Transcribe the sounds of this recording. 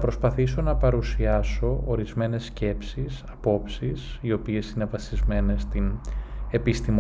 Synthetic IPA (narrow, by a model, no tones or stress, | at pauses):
pɾo̞spɐθiso̞nɐpɐɾusiɐso̞oɾizme̞ne̞sce̞psisɐpo̞psisio̞pie̞sine̞vɐsizme̞ne̞st̪ine̞pist̪im